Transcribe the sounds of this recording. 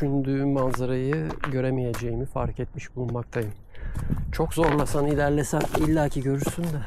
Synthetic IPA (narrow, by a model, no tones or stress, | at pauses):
yʃynd̪yːmanzaɾajɯɟø̞ɾemije̞d͡ʒejimifa̰ɾket̪̚miʃbulˠunmak̚t̪ʰajɯm | t͡ʃʰo̞kzo̞ɾlˠasanilʲæɾlʲesænilʲːaːcʰiɟø̞ɾyɾsynd̪ɛ